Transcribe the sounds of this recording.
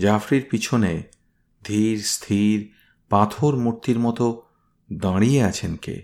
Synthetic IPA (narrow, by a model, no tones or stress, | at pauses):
d͡ʑafɾiɾpit͡ɕʰone | d̪ʱiɾst̪ʰiɾ | pat̪ʰoɾmuɾt̪iɾmɔt̪o | d̪ãɽieat͡ɕʰenkḛ